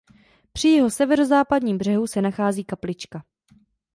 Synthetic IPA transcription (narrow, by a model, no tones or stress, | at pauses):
pr̝̥ɪjɛɦo̞sɛvɛɾo̞zaːpadɲiːmbr̝ɛɦusɛnaxaːziːkaplɪt͡ʃka